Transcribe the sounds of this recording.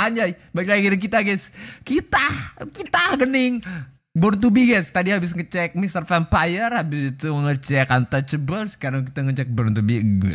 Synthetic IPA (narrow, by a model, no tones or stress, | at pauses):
aɲd͡ʒajbaiklaɡiɾiŋk̬it̪aɡaskit̪ahkit̪ahɡənɪŋ | bɔɾnt̪̬ubiɡast̪adiɦabɪs̬ŋət͡ʃɛk̚mist̪ərfɛnpajərhabɪsit̪uməŋət͡ʃɛkant̪at͡ʃəbəlsə̥kaɾaŋk̬it̪aŋət͡ʃɛk̚bəɾnt̪ubiɡ